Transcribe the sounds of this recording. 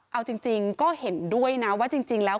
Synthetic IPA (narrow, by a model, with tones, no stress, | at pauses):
ʔa˧wt͡ɕi˧ŋt͡ɕi˧ŋkɔː˥˩he˩˦ndu˥˩əjna˦˥waː˥˩t͡ɕi˧ŋt͡ɕi˧ŋlɛː˦˥